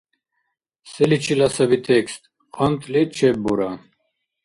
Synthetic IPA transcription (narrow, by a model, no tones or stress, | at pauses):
sɛlit͡ʃʰilasabit̪ʰɛkst̪̚ʼ | χʰɔnt̪ʰʼlɛt͡ʃʰɛbuɾa